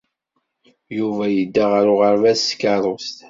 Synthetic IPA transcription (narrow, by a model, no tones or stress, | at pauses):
juvæjəd̪ːaʁəɾʊʁəɾvæskɑɾˤost̪